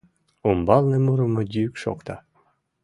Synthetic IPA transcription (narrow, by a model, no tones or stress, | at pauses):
umbɑlˠnemuɾɤ̆mɤd̪ʲiykʃo̰kt̪ɑ